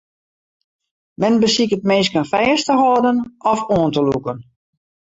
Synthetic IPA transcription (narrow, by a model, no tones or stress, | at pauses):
mɛnbəsikət̚meːs̬kənfɛːstəɦɔːdənɔfoəntəlṵkən